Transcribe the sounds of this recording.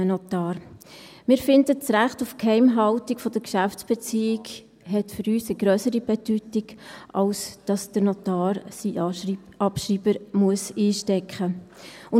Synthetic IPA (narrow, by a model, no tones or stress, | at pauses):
ənɔt̪ɑːɾmɪːɾfɪndət͡sɾæχtufkʰhɛɪmɦɑltikfɔd̥əɾkʃæft͡sb̥ɛt͡siːɪɡ | ɦɛtfʏɾyːsəɡɾœsəɾib̥ɛdytiɡʔɑlsd̥ɑsd̥əɾnɔtɑːɾsi | ɑpʃɾiːb̥əɾmuəsiːʃtɛkχəʊ